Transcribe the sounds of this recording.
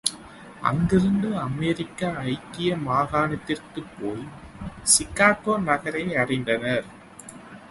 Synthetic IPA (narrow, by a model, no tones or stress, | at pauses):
ʔɐ̰ŋɡɪɾɯnd̪ɯɐmeːɾɪkːaɐɪk̪ːɪjɐmaːɣaːnɐt̪ːɪrkɯpːoːj | sɪkːaːkoːnɐɣɐɾɐɪɐrɪnd̪ɐnɐɾ